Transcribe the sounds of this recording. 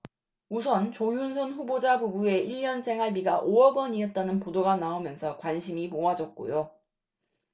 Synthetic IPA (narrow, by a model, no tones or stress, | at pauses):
us̬ʰʌnt͡ɕojunsʰʌnɸubod͡ʑabubue̞iʎːjʌnsʰe̞ŋɦaɭbiɡaʔoʌɡwʌɲiɦʌt̚t͈anɯnpodoɡanaomjʌnsʰʌkwanɕʰimimoad͡ʑʌt̚k͈o̰jo